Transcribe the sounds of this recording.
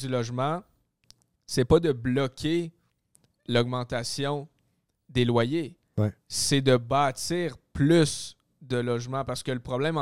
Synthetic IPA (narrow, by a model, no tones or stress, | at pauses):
ylɔʒmã | sɛpʌd̪əblɔkʲʰe | lɔɡ̚mɑ̃t̪asjɔ̃ | d̪elwaje | ɛsɛd̪əbɑːt̪t͡siːʁplys | d̪əlɔʒmãpaʁsə̥kələpχɔblɛ̃m